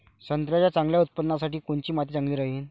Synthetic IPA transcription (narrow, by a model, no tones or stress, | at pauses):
sənt̪ɾjat͡ɕjat͡sãŋɡljaut̪̚pəd̪nasaʈiːkoɳt͡ɕiːmat̪̬it͡saŋɡliːɾaɦiːn